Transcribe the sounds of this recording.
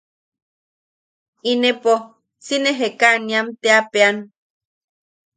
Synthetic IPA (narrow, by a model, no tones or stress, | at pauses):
inepo | sineɦekaniamt̪eapean